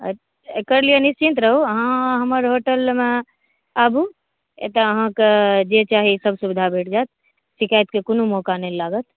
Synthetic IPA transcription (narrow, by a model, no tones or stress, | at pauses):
ə̰ | ekəɾlijenist͡ʃint̪ɾəɦuəɦãɦəməɾɦoʈəlme | abu | ḛt̪əəɦãked͡ʒet͡ʃaɦisəbʱsubd̪ʱabʱeʈd͡ʒat̪ | sikajt̪kekonumɔkanəlaɡət̪